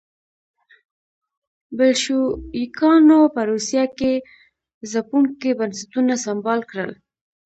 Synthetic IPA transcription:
bɪlʃuikɑnopəɾusjake | zapuŋkebansɪt̪unasambɑlkɽə̰l

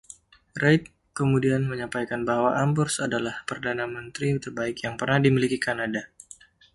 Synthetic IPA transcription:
rajt̪̚ | kəmudianməɲampajkanbahwaʔambɔrsadalahpərdanamənt̪ɾit̪ərbaɪkjaŋpərnahdimilikikanada

